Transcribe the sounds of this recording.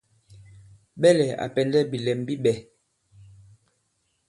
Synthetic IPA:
ɓɛ˦lɛ˨a̰˨pɛ˨ndɛ˦bi˨lɛ˨mbi˦ɓɛ˨

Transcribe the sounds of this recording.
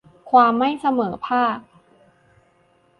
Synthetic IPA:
kʰwaː˧mːa˥˩jsa˧mɤː˩˦pʰaː˥˩k̚

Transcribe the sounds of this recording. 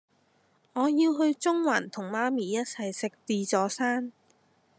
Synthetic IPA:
ŋɔː˨˧jiː˧wɦɵ˧ɥt͡sʊ˥ŋwa˨˩nt̪ʰʊ˨˩ŋmaː˧˥miː˨˧jɐ˥t̚t͡sʰɐ˨jsɪ˨k̚t̪iː˨˧t͡sɔː˨˧˥saː˥n

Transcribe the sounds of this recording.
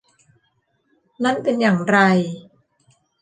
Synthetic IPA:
na˦˥˨npe˧njaː˨˩ŋɾa˧j

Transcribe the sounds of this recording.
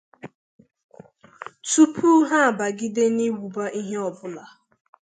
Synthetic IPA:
tu˦pʰu˦ɦa˦a˨ba˨ɡi˦de˦ni˦wu˨ba˦ʔi˦ɦe˦ɔ˨bʊ˦la˨

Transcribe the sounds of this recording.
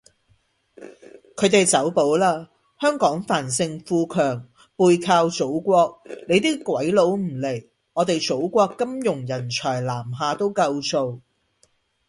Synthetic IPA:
kʰɵ˨˧ɥt̪e˨jt͡sɐ˨˥wpo˨˥wlaː˥ | hœː˥ŋkɔː˨˥ŋfaː˨˩nsɪ˧ŋfuː˧kʰœː˨˩ŋ | puː˧jkʰaː˧wt͡so˨˥wkʷɔː˧k̚ne˨˧jt̪iː˥kʷwɐ˨˥jlo˨˧˥wm̩˨˩le˨˩j | ŋɔː˨˧t̪e˨jt͡so˨˥wkʷɔː˧kːɐ˥mjʊ˨˩ŋjɐ˨˩nt͡ʃʰɔː˨˩jlaː˨˩mɦaː˨˧t̪o˥wkɐ˧wso˧w

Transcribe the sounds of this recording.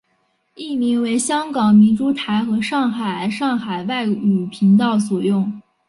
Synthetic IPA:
i˥˩mi˧˥ŋwe˧˥ɪɕjɑ˥ŋkɑ˨˩ŋmi˧˥nʈ͡ʂu˧˥t̪ʰa˧˥ɪxɤ˧˥ʂɑ˥˩ŋxa˨˩ɪʂɑ˥˩ŋxa˨˩ɪwa˥˩ɪy˨˩pʰi˧˥ŋt̪ɑ˥˩ʊswɔ˨˩jʊ˥˩ŋ

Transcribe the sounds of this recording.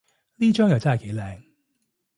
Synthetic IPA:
liː˥t͡ʃœː˥ŋjɐ˨˩wt͡sɐ˥nɦɐ˨jke˨˥jlɛː˨ŋ

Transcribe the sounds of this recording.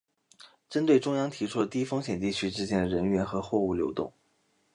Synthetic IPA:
ʈ͡ʂə˥nt̪we˥˩ɪʈ͡ʂʊ˥ŋjɑ˥ŋt̪ʰi˧˥ʈ͡ʂʰu˥lə˨˩t̪i˥fɤ˥ŋɕjɛ˨˩nt̪i˥˩t͡ɕʰy˥ʈ͡ʂɻ̩˥t͡ɕjɛ˥nd̪ə˨˩ɻə˧˥nɥɛ˧˥nxɤ˧˥xwɔ˥˧u˥˩ljo˧˥ʊt̪ʊ̰˥˩ŋ

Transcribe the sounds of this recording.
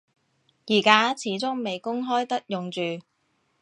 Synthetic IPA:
jiː˨˩kaː˥t͡sʰiː˨˥t͡sʊ˥ŋme˨jkʊ˥ŋɦɔː˥jt̪ɐ˥k̚jʊ˨ŋt͡ʃyː˨

